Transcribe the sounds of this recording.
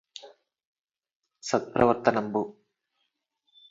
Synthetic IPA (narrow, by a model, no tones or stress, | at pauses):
sɐt̪̚pɾɐ̰ʋɐɾt̪ɐnɐmbu